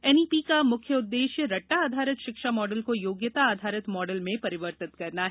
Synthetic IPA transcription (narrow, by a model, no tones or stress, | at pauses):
ɛniːpikamʊkʰjəʊd̪ːeːʃjəɾɐʈːaːd̪ʱaːɾət̪ʃɪkʃamɔːɖəlkojoːɡjət̪aːd̪ʱaːɾət̪mɔːɖəlmẽpɐɾɪʋəɾt̪ɪt̪kɐɾnaɦɛ